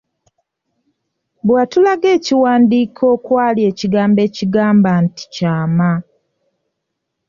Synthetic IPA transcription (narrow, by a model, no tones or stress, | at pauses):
βwatulaɡe̞ːciwaːndiːkʰo̞ːkwaːlie̞ːciɡaːmbe̞ːciɡaːmbanti̥caːma